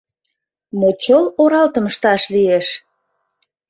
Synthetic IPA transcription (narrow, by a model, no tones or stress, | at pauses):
mot͡ɕoloɾɑlt̪əməʃt̪ɑʃlieʃ